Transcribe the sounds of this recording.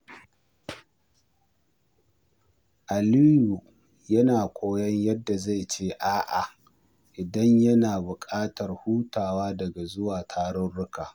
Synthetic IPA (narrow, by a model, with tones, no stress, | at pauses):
ʔa˨li˦ju˨ | jɐ˦naː˨kʷʼoː˦jɐ˦ɲjɐ˦dːa˨za˦˨jt͡ʃeː˦ʔaː˦ʔa̰˨ | ʔɪ˨dɐ˦ɲjɐ˦naː˨bʊ˨kʼaː˦tɐ˨rhuː˦taː˨waː˦dɐ˨ɡa˨zʊ˦waː˨tʰaː˦ɽɔ˦nɽʊ˦kaː˨